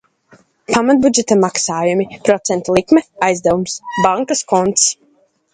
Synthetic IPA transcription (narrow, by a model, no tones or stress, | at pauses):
pʰamat̪̚bud͡ʒɛt̪amaksaːjumipɾɔt̪sɛnt̪alˠikmɛajzd̪ɛvumsbaŋkaskɔnt̪s